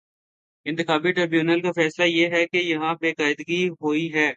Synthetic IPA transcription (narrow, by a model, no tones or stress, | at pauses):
ɪ̃nt̪ɪxaːbiʈɾeːbjuːnəlkafɛːslajeɦɛkejɐɦãbeːkaːɪd̪ɡiɦoːiɦɛː